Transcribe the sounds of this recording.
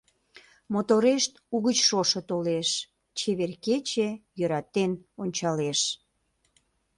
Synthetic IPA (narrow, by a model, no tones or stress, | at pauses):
mot̪oɾeʃt̪uɣət͡ɕʃoʃət̪oleʃ | t͡ɕeβerket͡ɕejøɾɑt̪enonʲt͡ɕɑleʃ